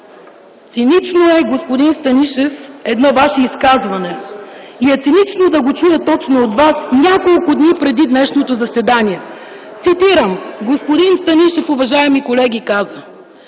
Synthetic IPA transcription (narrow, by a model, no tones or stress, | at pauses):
t̪sinit͡ʃnoɛɡospod̪inst̪ɐniʃɛfɛd̪nɔvaʃɛiskazvɐnɛiɛt̪sinit͡ʃnod̪ɐɡot͡ʃujət̪ɔt͡ʃnoot̪vasnʲakolˠkʊd̪nipɾɛd̪id̪nɛʃnot̪ozɐsɛd̪aniɛ | t̪sit̪iɾəmɡospod̪inst̪ɐniʃɛfʊvɐʒaɛmikolɛɡikazə